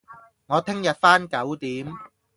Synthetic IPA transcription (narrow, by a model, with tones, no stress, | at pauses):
ŋɔː˨˧t̪ʰɪ˥ŋjɐ˨t̚faː˥nkɐ˨˥wt̪iː˨˥m